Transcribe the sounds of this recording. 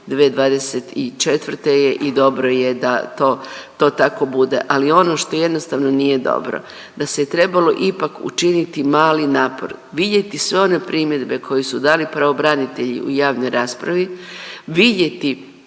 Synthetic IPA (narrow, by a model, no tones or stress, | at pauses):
d̪ʋeːd̪ʋaːd̪e̞set̪it͡ʃe̞t̪ʋr̩t̪e̞jeʔid̪o̞bɾo̞je̞d̪at̪o̞ːt̪o̞ːt̪ako̞bud̪e̞̰ʔalio̞no̞ːʃt̪o̞je̞d̪no̞st̪aːʋno̞nije̞d̪o̞̰bɾo̞̰ | d̪̥aset̪ɾe̞balo̞ʔipakṵt͡ʃinit̪imaːlinaːpo̞̰ɾʋid̪je̞t̪isʋe̞o̞ne̞pɾiːmje̞d̪be̞kʰo̞jisud̪aːlipɾaʋo̞bɾanit̪e̞ʎḭʔṵjaːʋno̞jɾaːspɾaʋiʋid̪je̞t̪i